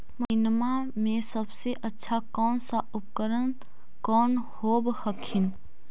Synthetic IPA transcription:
mənma | mẽsəbseʔətːʃʰakɔːnsaʊpkəɾən | kɔːnhobhəkʰin

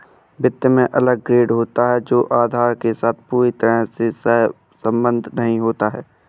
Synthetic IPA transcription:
bɪt̪jəmẽʔɐləɡ̚ːɾeːɖɦoːt̪aɦɛd͡ʒoːʔaːd̪ʱaːɾkesaːt̪̚ʰpuːɾit̪əɾəsesə | sə̃mbə̃nd̪ʱnɐɦĩɦoːt̪aɦɛː

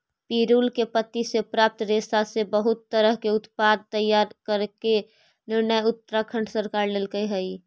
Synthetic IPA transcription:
piɾuːlkepət̪ːisepɾaːp̚t̪ɾesasebəɦʊt̪ːəɾəɦkeʊt̪pad̪̚t̪əjːaɾkəɾke | nɪɾnəjʊt̪ːəɾakʰə̃ɳɖsəɾkaːɾleːlɡəjɦəi

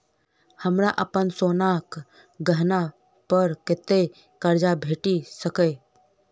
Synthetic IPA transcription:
həmɾaʔəpənsoːnak | ɡəɦna | pəɾket̪e | kəɾd͡ʒabʱeːʈisəkə

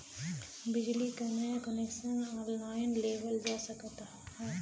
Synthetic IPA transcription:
bɪd͡ʒlikanɛkənekʃənaːɾnaːɪnleːʋəld͡ʒaːsɐkt̪aːhɛː

